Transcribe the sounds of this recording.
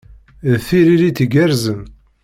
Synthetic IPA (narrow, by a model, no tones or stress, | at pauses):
θiɾiɾiθɡæɾzən